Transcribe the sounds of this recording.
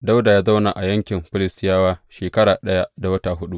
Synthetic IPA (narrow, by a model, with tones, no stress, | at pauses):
da˦wda˨jaː˦za˦wna˨ʔa˨jɐ˦ŋkʲɪ˨mɸɪ˦lɪ˦stɪ˦jaː˦waː˦ʃeː˨kɐ˦ɽaː˨ɗɐ˦ja˦da˨wɐ˦ta˨ɦʊ˦ɗu˦ʔ